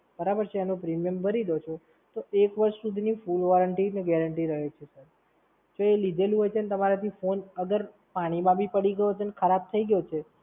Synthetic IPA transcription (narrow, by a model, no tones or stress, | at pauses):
bəɾabəɾt͡ʃʰeenopɾimjəmbʱəɾid̪ot͡ʃʰo | t̪oekʋəɾʃsud̪ʱinifulʋɔɾəɳʈineɡɛɾəɳʈiɾəɦet͡ʃʰesəɾ | d͡ʒoelid̪ʱelũɦojt͡ʃʰeənet̪əmaɾat̪ʰifonəɡəɾ | paɽ̃imãbʱipəɽiɡəjot͡ʃʰeənekʰəɾab̚t̪ʰəiɡjot͡ʃʰe